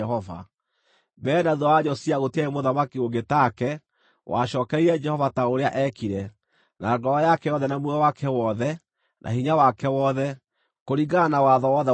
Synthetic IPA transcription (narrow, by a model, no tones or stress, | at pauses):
ɦɔva̰ | bɛːnaðɔwaɲɔsiaɣotiaemoðamakioɡetakɛ | wa̰ɕɔːkɛiɾɛd͡ʒɛhɔvataoɾeaʔɛkiɾɛ | naɡɔɾɔjakɛjɔðɛnamwuawakʰɛwɔðɛ | nʔa̰hiɲawakɛwɔðɛ | koɾiɡanawaðɔwɔðɛ